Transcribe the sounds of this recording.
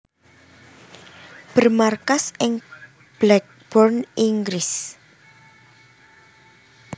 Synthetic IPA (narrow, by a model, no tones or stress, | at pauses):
b̥ərmarkasɪŋ | b̥lɛk̚ | b̥ɔrniŋɡɾɪs